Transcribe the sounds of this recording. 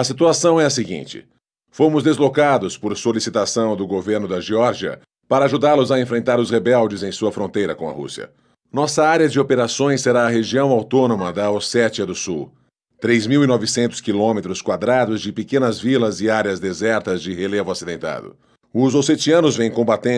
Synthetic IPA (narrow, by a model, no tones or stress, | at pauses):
ɐsit̪uasɐ̃w̃ɛɐsɪɡḭ̃nt͡ʃɪ̰ | fomʊzd̪ezlokad̪ʊspoɾsolisit̪asɐ̃w̃d̪ʊɡoveɾnʊd̪ɐʒiɔɾʒiɐ̰ | paɾɐaʒud̪aɾlʊzɐẽfɾẽnt̪aɾʊshebɛwd͡ʒɪzẽj̃suɐfɾõnt̪ejɾɐkõɐ̰hṵsiɐ̰ | nɔsɐaɾjɐd͡ʒɪopeɾasõj̃sːeɾaɐɦeʒiɐ̃w̃awt̪õnõmɐd̪ɐosɛt͡ʃiɐd̪ʊsuw | t̪ɾejzmiwinɔvɪsẽnt̪ʊ̥skilõmet̪ɾʊskwad̪ɾad̪ʊzd͡ʒɪpekẽnɐzvilɐzɪaɾjɐzd̪ezɛɾt̪ɐzd͡ʒɪhelevʊasid̪ẽnt̪a̰d̪ʊ̰ | ʊzoset͡ʃiɐ̃nʊzvẽj̃kõbat̪ẽ